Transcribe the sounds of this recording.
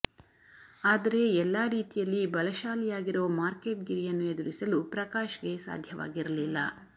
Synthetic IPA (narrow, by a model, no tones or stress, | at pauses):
aːd̪ɐɾe̞ɛlːaːɾiːt̪ijɐlːibɐlɐʃaːlijaːɡiɾoːmaːɾke̞ːʈ̚ɡiɾijɐnːued̪uɾisɐlupɾɐkaːʃɐɡe̞sa̰ːd̪ʱjɐʋa̰ːɡiɾɐlilːɐ